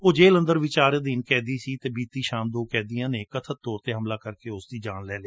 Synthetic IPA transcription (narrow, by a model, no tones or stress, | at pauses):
oːd͡ʒeːlə̃nd̪əɾʋiːt͡ʃaːɾd̪inkɛːd̪iːsiːt̪eːbiːt̪iːʃaːmd̪oːkɛ̃ːd̪ijãːneːkət̪ʰətt̪ːɔːɾt̪eːɦəmlaːkəɾkeːʊsd̪iːd͡ʒaːnlɛːleː